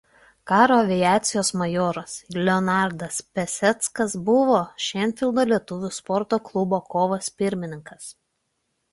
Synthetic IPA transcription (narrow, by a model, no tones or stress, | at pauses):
kɑːɾoːɐʋʲɪjæːt̪sʲɪjoːsmɐjoːɾoslʲɛɔnɑˑɾd̪ɐspʲɛsʲɛt̪skɐsbʊʋoːʃʲɛnʲfʲɪlˠd̪oːlʲiɛt̪ʊʋʲuspɔɾt̪oːklˠʊboːkoːʋɐspʲɪɾʲmʲɪnʲɪŋkɐs